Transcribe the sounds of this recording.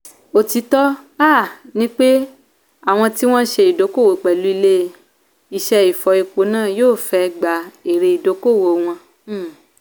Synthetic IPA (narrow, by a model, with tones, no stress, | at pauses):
o˨ti˨˦tɔ˦a˦˨nĩ˦k͡pe˦ | a˦˨w̃ɔ̃˧ti˦w̃ɔ̃˦ʃe˧i˨do˨˦ko˦˨wo˨˦˨k͡pɛ˨lu˦i˧le˦˧ | i˧˨ʃɛ˧i˨fɔ˧i˧ko˨˦nãː˦˨joː˦˨fɛ˧˦˧ɡ͡ba˨e˨ɾe˨˧i˨do˨˦ko˦˨wo˨w̃ɔ̃˧˦